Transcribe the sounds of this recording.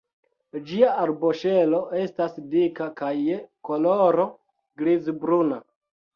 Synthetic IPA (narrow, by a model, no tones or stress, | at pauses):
d͡ʒiaaɾboʃe̞lo̞ʔe̞stasdikakajekoloɾo | ɡɾizbɾuna